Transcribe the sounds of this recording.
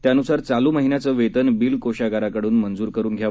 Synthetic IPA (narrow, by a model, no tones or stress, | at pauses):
t̪janusaɾt͡saluːməɦinjat͡səːʋet̪ənbiːlkoɕaɡaɾakəɽuːnmənd͡zuːɾkəɾuːnɡʱja